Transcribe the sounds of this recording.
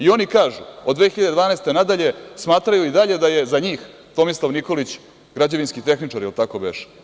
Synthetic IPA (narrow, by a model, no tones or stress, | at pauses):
io̞nikaːʒuod̪d̪ʋe̞ːxiʎad̪d̪vaːneːst̪e̞nad̪aʎe̞smaːt̪ɾajuid̪aʎe̞d̪aje̞zaɲiːx | t̪o̞mislˠaʋniko̞lit͡ɕ | ɡɾad͡ʑeʋinskit̪e̞xnit͡ʂaɾjelt̪ako̞beʃ